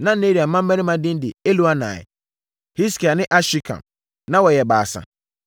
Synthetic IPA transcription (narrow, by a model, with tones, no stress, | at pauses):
nã˦ne˦ɾi˨a˨mã˦m̩˦ɛ̃˦nĩ˦mã˨dɪ̃˦n˦dɪ˨e˦lu˦a˦nã̰ː˨ɪ̰˨ | hi˦ski˨a˨nɪ̃˦ʔa˦ɕi˦kʰã̰˨m | nã˦wɔ˨jɛ˨ba̰ː˨sã̰˨